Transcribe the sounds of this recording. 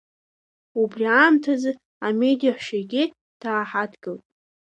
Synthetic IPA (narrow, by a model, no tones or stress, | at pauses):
ubrʲiaːmtʰazɨ | ame̞dijaħʷʃaɡʲɪ | d̥ʰaːħadɡɨltʼ